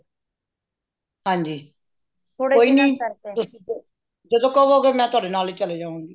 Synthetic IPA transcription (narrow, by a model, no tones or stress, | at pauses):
hãːɲd͡ʒiː | oɽeoːiːnĩt̪ʊsĩ | d͡ʒəd̪õːkoːʋɦoːɡɛːmɛ̃ːt̪ʊaːɖeːnaːliːt͡ʃəleːd͡ʒãːʋãːɡiː